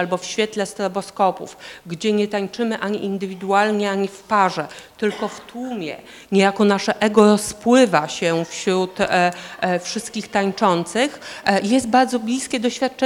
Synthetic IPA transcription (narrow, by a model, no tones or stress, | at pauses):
albɔfɕfʲjɛt̪lɛst̪ɾɔbɔskɔpṵfɡd͡ʑɛɲɛt̪aɲt͡ʂɘmɘʔaɲḭʔind̪ɘvʲid̪ualɲɛaɲifpaʐɛt̪ɘlkɔft̪wumʲjɛ̰ | ɲejakɔnaʂɛʔɛɡɔɾɔspwɘvaɕɛfɕɾut̪ | fʂɘst̪̚kʲixt̪aɲt͡ʂɔnt̪sɘxjɛst̪̚baɾd̪zɔblʲiskʲɛd̪ɔɕfʲjat̪̚t͡ʂɛ